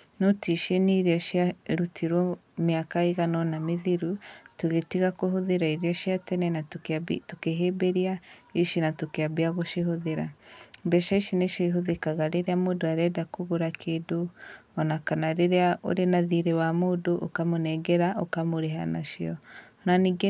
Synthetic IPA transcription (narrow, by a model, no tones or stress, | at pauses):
notiʃeniɾaʃiaɾutʰiɾɔ | mjakaiɣanɔnamiðiɾutuɣetiɣakoɦoðeɾaiɾiaʃiatɛnɛnatbitukeɦebeɾiaiʃinatokeabiaɣoʃiɦoðeɾabɛʃaiʃineʃiiɦoðekaɣaɾeɾeamodoaɾɛdakuɣuɾakʰeːdoɔnakanaɾeɾeao̰ɾenaðiɾewamodoʔo̰kamunɛɡeɾaʔokamoɾeɦa̰na̰ʃiɔ | naniɡe